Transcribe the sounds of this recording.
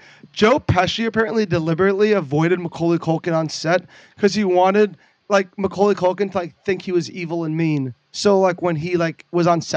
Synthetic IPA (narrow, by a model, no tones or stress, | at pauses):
d̥ʒ̥oʊpʰɛʃiɨpʰɛɹɨ̃nʔlidɨlɪbə˞ɨtˡliɨvɔɪɾɨd̚məkʰoʊlˠikʰoʊlˠkɨ̃nə̃nsɛt̚ | kʰʌz̥iwɑ̃nɪd̚ | laɪk̚məkʰoʊlˠikʰolˠkɨ̃ntʰəlaɪk̚θɪ̃ŋkhiwʌzivl̩ˠə̃nmĩn | soʊlaɪkwə̃nilaɪkwʌzn̩sɛ